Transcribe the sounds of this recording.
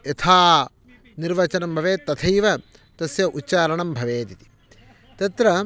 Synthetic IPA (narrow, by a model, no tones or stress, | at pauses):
et̪ʰaː | niɾʋɐt͡ʃɐnɐmbʱɐʋeːt̪ɐt̪ʰɐjʋɐ | t̪ɐsjɐʔutːt͡ʃaːɾɐɳɐmbʱɐʋeːt̪it̪i̥ | t̪ɐt̪ɾɐ